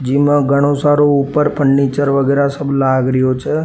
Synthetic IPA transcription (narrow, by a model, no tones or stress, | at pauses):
d͡ʒimãɡʱəɽ̃õsaɾoupəɾpəɳnit͡ʃəɾʋəɡeɾasəblaɡɾijot͡ʃʰe